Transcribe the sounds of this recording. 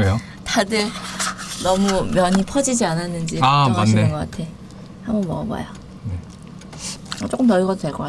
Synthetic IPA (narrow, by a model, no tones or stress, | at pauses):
ejo | tadɯɭ | nʌmumjʌɲipʰʌd͡ʑid͡ʑiananːɯnd͡ʑiamaneɡʌk͈atʰe̞ | hambʌnmʌʌba̰jo | ne | t͡ɕ͈ok͈ɯmntʌɭiɡʌd͈odwe̞ɭk͈ʌk͈a